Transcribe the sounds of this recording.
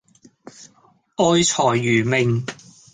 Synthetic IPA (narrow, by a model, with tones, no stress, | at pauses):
ʔɔː˧jt͡sʰɔː˨˩jːyː˨˩mɪ˨ŋ